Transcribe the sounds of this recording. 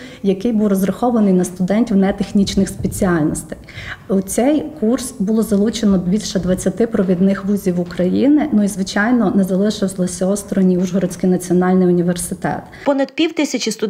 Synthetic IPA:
jɐkɪjbuwrɔzrɐxɔʋɐnɪjnɐst̪ʊd̪ɛnʲtʲiwnɛt̪exnʲit͡ʃnɪxspet͡sʲiɑlʲnɔst̪ɪ̥jut͡sʲɛjkursbʊlˠɔzɐlˠut͡ʃenɔbʲilʲʃɛd̪ʋɐt͡sʲːɐt̪ɪpɾɔʋʲid̪nɪxʋuzʲiwʊkɾɐjinɪnuizʋɪt͡ʃɑjnɔnɛzɐlˠɪʃɪwzlˠɔsʲɐɔst̪ɾɔnʲiuʒɦɔɾɔt͡sʲsʲkɪjnɐt͡sʲiɔnɑlʲnɪjʊnʲiʋersɪt̪ɛ̰t̪pɔnɐd̪̚pʲiwt̪ɪsʲɐt͡ʃʲist̪ʊ

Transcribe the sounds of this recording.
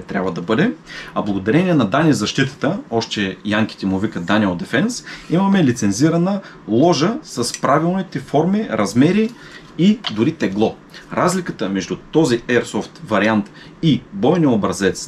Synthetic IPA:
t̪ɾja̰bvəd̪ɐbɤd̪ɛɐblˠɡod̪ɐɾɛniɛnɐd̪anizɐʃt̪it̪ə̥t̪əɔʃt̪ɛjaŋk̟ʲi̥t̪ɛmʊvikət̪d̪aniod̪ɛfɛnsimɐmɛlit̪sɛnziɾɐnə | lˠɔʒəsɐspɾavilˠnit̪ɛfɔɾmiɾɐzmɛɾi | id̪ʊɾit̪ɛɡlˠɔ | ɾazlikət̪əmɛʒd̪ut̪ɔziɛɾsɔft̪vɐɾiant̪ | ibɔjnʲiobɾɐzɛt̪s

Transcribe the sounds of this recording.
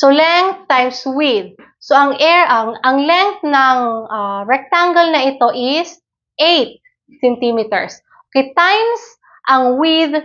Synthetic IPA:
solɛŋθajmswid̪̚ | soɐŋʔɛɹʔɐŋɐŋlɛŋθnɐŋʔaɹɛk̚t̪aŋɡɛlnɐʔɪt̪o̞ʔɪs | ʔejt̪̚ | sɛnt̪imit̪ɛ̰ɹs | ʔokejt̪ajms | ʔɐŋwid̪

